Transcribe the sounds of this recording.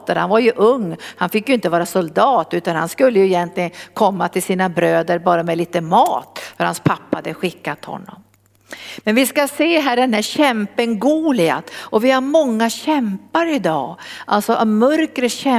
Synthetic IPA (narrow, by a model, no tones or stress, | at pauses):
t̪əɾha̰nvaɾjɵʔɵŋːhanfɪkːjɵɪnt̪əvɑːɾasʊld̪ɑːt̪ʉ̟ːt̪anhanskɵlːəjɵɪjɛnt̪lɪɡənkʰɔmːat̪ʰɪlsiːnabɾøːd̪əɾbɑːɾamɛliːt̪əmɑːt̪fœɾhanspʰapːahad̪əɧɪkːat̪hɔ̰nːɔ̰m | mɛnvɪskaseːɦæːɖɛnɦæːɾɕɛmpəŋɡuːlɪa̰t̪ʔɔvɪhaɾmɔŋːaɕɛmpaɾɪd̪ɑ̰ːʔalsɔʔamœɾkɾəɕɛ